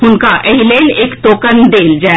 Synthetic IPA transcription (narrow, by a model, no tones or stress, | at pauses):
ɦʊnkaʔɛɦileːneːkt̪oːkənd̪eːld͡ʒaː